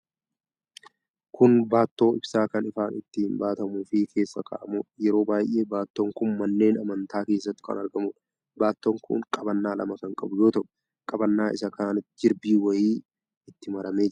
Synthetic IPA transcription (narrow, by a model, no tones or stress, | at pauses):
kʊnbaːt̪ːo̞ːɪbsaːkɐnɪfaːnɪt̪ːɪhɪmbaːt̪ɐmuːfɪkʰe̞ːsːɐka̰ːʔɐmʊjɛɾo̞ːbaːjʔe̞ːbaːt̪ːoːŋkʊnmɐnːe̞ːnɐmɐnt̪aːke̞ːsːɐt̪ːɪ̥kɐ̰nɐɾɡɐmʊᶑ | baːt̪ːoːŋkʊ̰ŋkʼɐbɐnːaːlʔɐ̰mɐkɐŋkʼɐbʊjo̞ːt̪ɐʔʊ̥ | kʼɐbɐnːaːʔɪ̰sɐkaːnɐt̪d͡ʒɪɾbiːwɐjiː | ɪt̪ːɪmɐɾɐme̞ːd͡ʒ